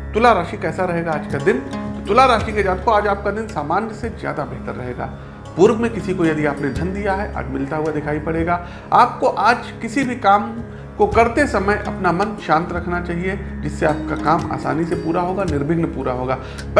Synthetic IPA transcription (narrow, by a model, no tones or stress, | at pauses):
t̪ʊlaɾaːʃikɛːsaɾɐɦeːɡaaːd͡ʒkad̪ɪnt̪ot̪ʊlaɾaːʃiked͡ʒaːt̪koaːd͡ʒaːp̚kad̪ɪnsaːmaːnjəsezja̰ːd̪abɛɦt̪əɾːɐɦeːɡa̰ː | pʊɾbmẽkɪsikojɐd̪iaːpned̪ʱɐnd̪ijaɦɛʔa̰ːd͡ʒmɪlt̪aɦuad̪ɪkʰaːipɐɽeːɡaː | aːp̚koʔaːd͡ʒkɪsibʱikaːm | kokɐɾt̪esɐməjʔɐ̰pnamɐnʃãːnt̪ɾɐkʰnat͡ʃaːɦied͡ʒɪsːeaːp̚kakaːma̰ːsa̰ːnisepuːɾaɦoːɡanɪɾbʱɪɡnepuːɾaɦoːɡaː | b